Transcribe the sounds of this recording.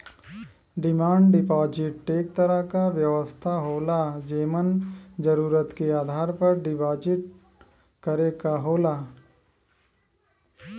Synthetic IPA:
ɖɪmaːɳɖɖɪpaːd͡ʒɪʈːeːk̚t̪əɾəɦkaʋjɐʋəst̪ʰaɦoːlad͡ʒeːmənd͡ʒəɾuːɾət̪keaːd̪ʱaːɾpɐɾɖɪpaːd͡ʒɪʈ̚ | kɐɾeːkaɦoːlaː

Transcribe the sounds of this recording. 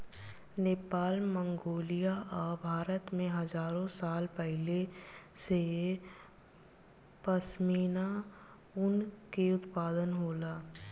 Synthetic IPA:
neːpaːlmə̃ŋɡoːlijaʔɔːbʱaːɾət̪mẽɦɐzaːɾõsaːlpɛɦlese | pəsmiːna | ʊnkeʊt̪paːd̪ənɦoːlaː

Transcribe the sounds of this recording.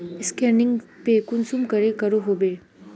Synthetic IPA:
ɪskɛːɾnɪ̃ŋɡpekʊnsumkɐɾekɐɾoɦoːbeː

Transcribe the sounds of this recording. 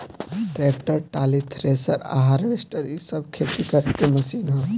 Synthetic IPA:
ɖɾeːkʈəɾʈaːlit̪ʰɾeːsəɾa̰ːɦaːɾʋesʈəɾjisəb̚kʰeːt̪ikɐɾkemɐsiːnɦo

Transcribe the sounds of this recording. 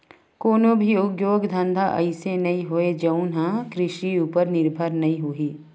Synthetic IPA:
koːnõbʱiʊɡjoːɡd̪ʱɐ̃nd̪ʱaʔɐ̰ɪsenɐĩɦoed͡ʒɐnɦãkɾɪʃiuːpəɾnɪɾbʱəɾnɐɦĩɦuiː

